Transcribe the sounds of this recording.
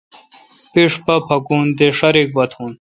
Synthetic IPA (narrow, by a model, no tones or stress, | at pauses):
piʂpɐpʰɐkuːnd̪eʂɐɾik̚bɐt̪ʰũːn